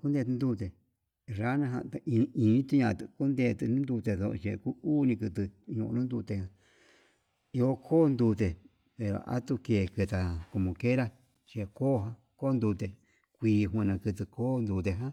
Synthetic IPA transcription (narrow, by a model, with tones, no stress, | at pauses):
ku˦nd̪e˧t̪ɨ˧nd̪u˧t̪e˨ | ɾa˦nã˧ɦã̰˧t̪a˧ĩ˧ĩ˧˦t̪u˧ɲã˧˨t̪ɨ˧˨ku˦nd̪e˧t̪ɨ˧nũ˦nd̪u˧t̪e˧ðo̰˧ʔʃe˧˨ku˦uː˦˧nĩ˧kɨ˧t̪̬ɨ˧ɲṵ̃˧ʔnũ˦nd̪u˧t̪e˧˨hã˧ | i˧o˧kʰoː˦nd̪u˧t̪̬e˨ | pe˨ɾo̰˨ʔa̰˦t̪u˧ke˨kɨ˧t̪a˨ko˧mõ˨ke˦ɾa˦ | t͡ʃe˧˨koː˦ɦã˧ | ko˦nd̪u˧t̪e˨ | kʷiː˧ɦũ˧nã˧kɨ˧t̪̬ɨ˧koː˦˧nd̪u˧t̪̬e˧˨ɦã˦